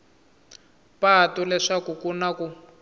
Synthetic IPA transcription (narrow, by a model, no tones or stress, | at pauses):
patɔlɛʂakukunaku